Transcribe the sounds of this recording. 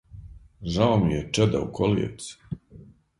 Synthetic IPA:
ʒaomijet͡ʃɛd̪a̰ukʰoliḛt̪s

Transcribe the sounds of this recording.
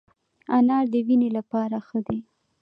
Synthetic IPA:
anɑɾd̪əwinelapɑɾaxəd̪e

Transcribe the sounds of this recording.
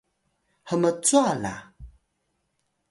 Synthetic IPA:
həmət͡suala̰

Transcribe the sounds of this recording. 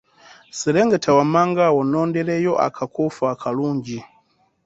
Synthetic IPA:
siɾɛŋɡetʰawamaŋɡawɔnɔːndɛɾɛjɔʔa̰kʰakufaakʰaluːɲd͡ʒi

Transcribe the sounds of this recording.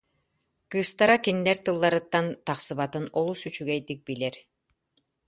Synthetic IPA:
kɯst̪aɾakinːɛɾt̪ɯlˠːaɾɯt̪ːant̪aχsɯβat̪ɯnɔlˠusyt͡ʃyɡɛjd̪ik̚bilɛɾ

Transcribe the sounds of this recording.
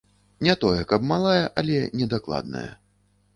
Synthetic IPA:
nʲat̪ɔjɛkɐbmalˠajɐʔɐlʲɛnʲɛd̪aklˠa̰d̪̚nɐ̰jɛ̰

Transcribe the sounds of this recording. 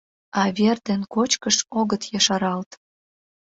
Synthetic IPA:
ɑβerd̪enkot͡ɕkəʃoɣət̪jɑʃɑɾɑlt̪

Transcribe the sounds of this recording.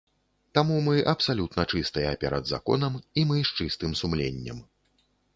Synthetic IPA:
t̪amumɨʔɐpsalʲut̪nɐt͡ʂɨst̪ɐjɛpʲɛɾɐ̰d̪za̰kɔ̰nɐmimɨʂt͡ʂɨst̪ɨmsumlʲḛnʲːɐ̰m

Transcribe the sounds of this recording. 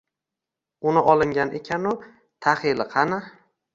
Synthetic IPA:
ʊnɪʔɒlˠɪŋɡʲanekʲʰanʊ | t̪ʰahɪlɪqʰɑna

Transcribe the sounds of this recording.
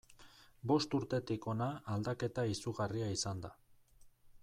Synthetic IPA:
bo̞st̪uɾt̪e̞t̪iko̞naːld̪ake̞t̪aisuɣariaisand̪a̰

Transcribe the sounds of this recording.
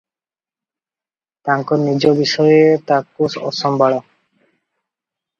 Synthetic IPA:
t̪aŋkɔɾnid͡ʑobiʃɔjet̪akusɔ̰sɔmbʱaɭɔ

